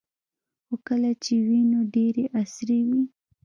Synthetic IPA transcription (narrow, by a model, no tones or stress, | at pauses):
xokəlat͡ʃewinoɖeɾeʔasɾewi